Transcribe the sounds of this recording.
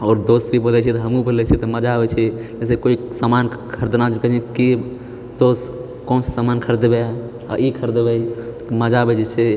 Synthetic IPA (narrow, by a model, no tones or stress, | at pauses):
ɔːɾd̪ost̪bʱibolɛt͡ʃʰit̪ɦəmũbəlɛt͡ʃʰit̪ɔməd͡ʒabɛt͡ʃʰed͡ʒɛs̬ekoisamankʰəɾd̪nad͡ʒkəd͡ʒẽki | t̪os | kɔːnsesamaːnkʰəɾd̪be | a̰ikʰəɾd̪bə | məd͡ʒabəd͡ʒet͡ʃʰe